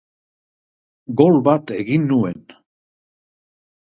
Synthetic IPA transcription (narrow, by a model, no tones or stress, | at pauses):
ɡo̞lβat̪e̞ɣinːue̞n